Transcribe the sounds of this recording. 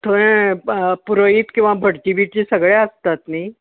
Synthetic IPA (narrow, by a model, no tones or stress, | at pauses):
t̪ʰoɾẽ | puɾoit̪kĩw̃ʋabʱəɽt͡ɕ̪iʋiʈt͡ɕisəɡɭeəst̪at̪nai